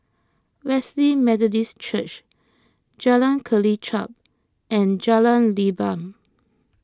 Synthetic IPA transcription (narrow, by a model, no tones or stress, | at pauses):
wɛslimɛtɔdist͡ʃət͡ʃ | d͡ʒalãnkʰəlit͡ʃʰa̰p̚ | ɛ̃nd͡ʒalãnlibãm